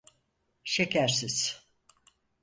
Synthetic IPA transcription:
ʃecʰæɾsiz̥

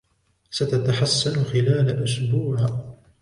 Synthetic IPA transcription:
sat̪at̪aħasːanxɪlaːlaʔaʃbuːɾ

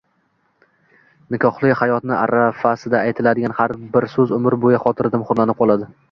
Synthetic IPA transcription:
nɪkʰɒχlˠɪhajɒt̪nɪʔa̰ɾafasɪd̪aajt̪ʰɪlad̪ɪɡʲanhaɾbɪɾsɵzʊmɪɾbojaχɒt̪ʰɪɾd̪ɪmχʊɾlˠanɪp̚qʰɒlˠad̪ɪ

